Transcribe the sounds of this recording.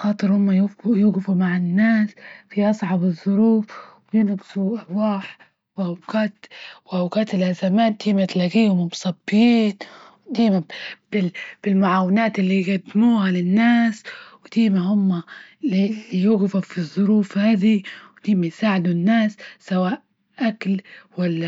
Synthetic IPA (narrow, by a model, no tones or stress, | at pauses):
xɑːt̪ˤɨɾhʊmːajjuːɣɪfumaʕɪnːaːsfiʔɑsˤʕɑbɨzˤːʊɾuːfwɪjɪnɡsuʔaɾwaːħ | wɪʔawɡaːt̪wʔawɡaːt̪ɪlʔazamaːt̪̚d̪iːmat̪laɡiːhʊmɪmʊsˤɑbːjiːnwd̪iːmab̥ɪb̥ɪlmʊʕaːwːɪnaːt̪ɪlːiɡad̪ːɪmuːhalɪnːaːswt̪iːmahʊmːa | lilːijuːɣɪfufizˤːʊɾuːfhaːd̪iwt̪iːmajsaːʕɪd̪unːaːsːawaːʔ | ʔaklwalːa